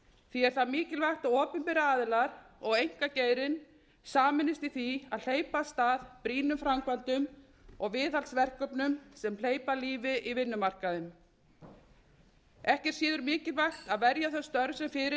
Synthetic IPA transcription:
θiɛɾ̥θaðmɪːcɪlvajxt̪aðɔːpʏmpɛɾaaːðlaɾɔɣejŋ̥kaceːjɾɪn | saːmɪnːɪst̪iθiaðl̥eːjpast̪aːðpɾiːnʏmfɾamkvant̪ʏm | ɔɣvɪːðalsvɛr̥kœpnʏmsɛml̥eːjpaliːvɪʔivɪnːʏmar̥kaðʏm | ɛhcɛɾ̥siːðʏɾmɪːcɪlvajxt̪aðvɛɾjaθœst̪œɾsɛmfɪɾɪ

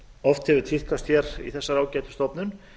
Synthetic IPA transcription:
ɔft̪hɛvʏðt̪ʰfihkast̪çɛɾḭθɛsːaɾaːwcɛːt̪ʏ̥st̪ɔpnʏn

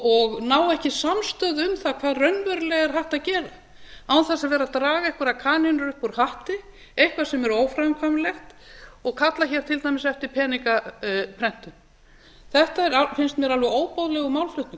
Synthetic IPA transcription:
ɔɣnaːwɛhcɪsamst̪œðʏmθakʰv̥aːðrœnvœɾlɛɣɛɾ̥ɦaht̪aðcɛːɾa | awθasaðvɛːɾat̪ɾaːɣaɛhkʏɾakʰaːnɛnʏɾʏhpɔɾhaht̪ɪ | ejhkvḁsɛmɛɾoːwfɾamkʰvamlɛxt̪ɔɣkʰat̪laçɛɾ̥t̪ʰɪlt̪ajmɪsɛft̪ɪɾ̥pʰɛːnikapʰɾɛn̥t̪ʏm | θɛht̪aɛɾafɪnst̪mjɛɾalvɛoːwpowðlɛɣʏmawlflʏht̪nʏ

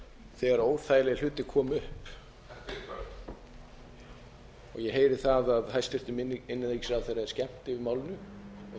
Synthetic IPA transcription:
θɛːɣaɾoːwɾ̥θaːjlɛɪl̥ʏːt̪ɪkʰɔːmʏhp | ɔɣjɛɦeːjɾɪ̥θaðaðhajst̪ɪr̥t̪ʏmɪnːaniksavθejɾaɛɾ̥scɛm̥t̪ɪvɪɾmaːwlɪnːʏɔ

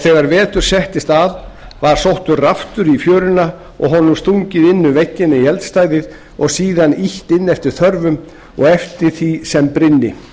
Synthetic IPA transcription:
θɛɣaɾvɛːt̪ʏɾ̥sɛht̪ɪst̪aðvaɾ̥sowht̪ʏraft̪ʏɾifjœːɾʏna | ɔ̰ɣɦɔnːʏmst̪uɲcɪðɪnːʏvɛcːɪnɪihɛlt̪st̪ajðɪð | ɔɣsiːðaniht̪ɪnːɛft̪ɪɾ̥θœɾvʏm | ɔ̰ɣɛft̪ɪɾ̥θisɛmpɾɪnːɪ

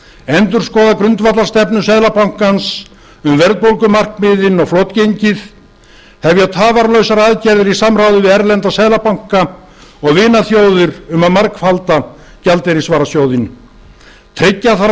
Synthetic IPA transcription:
ɛnt̪ʏɾ̥skɔːðakɾʏnt̪vat̪laɾst̪ɛpnʏsɛðlapawŋ̥kans | ʏmvɛɾðpowlkʏmar̥kmɪːðɪnɔɣflot̪cejɲcɪð | hɛvjaðt̪ʰaːvaɾlœɥsaɾaːðcɛɾðɪɾisamrawðʏvɪðɛɾlɛnt̪asɛðlapawŋ̥ka | ɔɣvɪːnaθjoːwðɪɾʏmaðmar̥kfalt̪a | calt̪ɛɾɪsvaːɾasjoːwðɪn | t̪ʰɾɪcːaθa

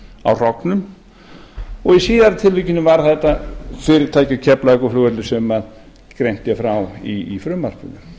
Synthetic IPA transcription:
a̰wr̥ɔknʏm | ɔɣisiːðaɾt̪ʰɪlvʏcɪnʏmvaɾ̥θɛht̪afɪɾɪɾt̪ʰaːjcacʰɛplaɛkɔflʏːɣɛɾlɪsɛmað | kɾejn̥t̪jafɾawiːfɾʏmːar̥pʏ̰nʏ

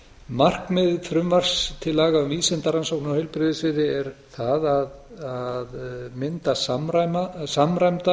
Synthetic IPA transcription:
mar̥kmɪðɪfɾʏmvar̥st̪ʰɪlːaːɣaʏmviːsɛnt̪aɾansowknawheɪjlpɾɪðɪsvɪðɪɛɾ̥θaðaðaðmɪnt̪asamɾajmasamɾajmt̪a

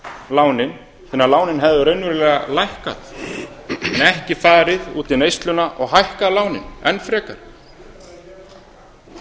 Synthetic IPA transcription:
laːwnɪn | θɛnaɾlaːwnɪnɦɛvðʏɾœɥnvɪɾlɛːɣalajhka̰θ | ɛnɛhcɪfaːɾɪðuːt̪ɪnejst̪lʏnaʔɔɣɦajhkaðlaːwnɪ̰nɛnfɾɛːkaɾ̥

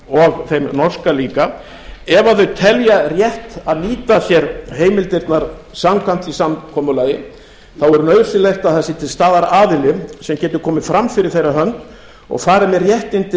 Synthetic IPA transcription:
ɔɣθejmnɔr̥skaliːka | ɛvaθœɥt̪ʰɛljarjɛht̪aðniːt̪asjɛɾheːjmɪlt̪ɪɾt̪naɾ̥ | samkʰan̥t̪isamkʰɔmʏlajɪ | θawɛɾʏnœːɥ̥sɪlejxt̪aðθɛsːɪt̪ʰɪlst̪aːðaɾaːðɪlɪsɛmcɛːt̪ʏ̥kʰɔːmɪfɾamːfɪɾɪɾ̥θejɾaɦœnt̪ | ɔ̰ɣfaːɾamɛrjɛht̪ɪnt̪ɪ

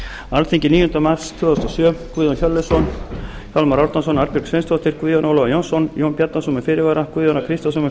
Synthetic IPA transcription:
alθiŋcɪniːjʏnt̪amar̥st̪ʰvʏːðast̪ɔsœːmkʰviðɔnçœlːɪsɔn | kʰalmaɾawɾt̪ans̬ɔnaɾpiɾrksvejnst̪ʰɔht̪ɪɾ̥kviðjɔnɔlɔvajɔnsɔnjownpjat̪nasumʏfɪːɾɪvaɾakʰiːðjɔnakʰɾist̪asɔmʏ

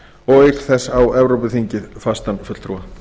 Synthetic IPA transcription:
ɔɣekθɛsawɛvɾowpʏθiɲcɪðfast̪anfʏt̪lt̪ʰɾuːa

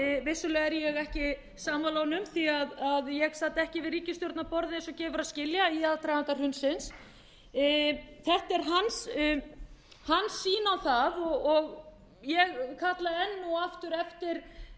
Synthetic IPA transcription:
vɪsʏlɛːɣɛɾjɛɣɛhcɪ | saːmalɔːwnʏmθiaðaðjɛɣsaːt̪ɛhcɪvɪriːcɪst̪jɔɾt̪napɔɾðɪnɪnsɔcɛːvʏɾaðscɪljaiaðt̪ɾajɣank̪ar̥hʏnsɪns | θɛht̪ɛɾ̥ɦans | hanːsːiːnawθaðɔɣɔɣ | jɛɣkʰat̪laɛnːuaft̪ʏɾɛft̪ɪɾ̥

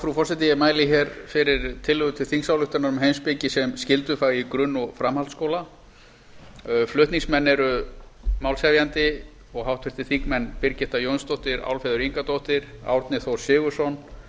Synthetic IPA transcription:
fɾufɔr̥sɛt̪̬ijɪmaːjlɪçɛɾfɪɾɪɾt̪ʰɪlhʏɣʏt̪ʰɪlθiŋsawlʏht̪aɾnaɾʏmɦejnspɪcɪsɛmscɪlt̪ʏfaːɣikɾʏnːɔɣfɾamhalt̪skoːwla | flʏht̪niŋsmɛnːɛɾʏmaːwlsɛvjant̪ɪ | ɔɣɦawt̪ʰɪɾ̥t̪ɪθikmɛnːpɪɾcɪht̪ajœnst̪owht̪ɪɾa̰wlfɛðʏɾiŋkat̪owht̪ɪɾ̥a̰wɾt̪nɪθowsɪːɣʏ̥sɔn

